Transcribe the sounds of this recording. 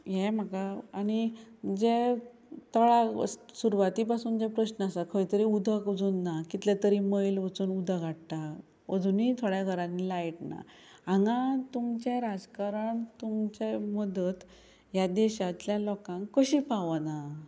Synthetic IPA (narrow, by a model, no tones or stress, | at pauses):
jɛm̤əkaañid͡ze | t̪ɔɭa̰suɾuʋat̪iːpasuːnd͡ʑɛpɾəɕnəasakʰəjt̪əɾiud̪ʱakod͡zunːakit̪let̪əɾiməjlʋət͡suːnud̪ʱaɡʱaʈʈ̪a | əd͡zunit̪ʰoɽjaɡʱəɾãnːilaiʈna̰ | ãŋɡãt̪umt͡ɕeɾad͡zkaɾəɳt̪umt͡ɕeməd̪ət̪ | jad̪ɛɕat̪ljalɔkãŋkkːəɕiːpaʋəna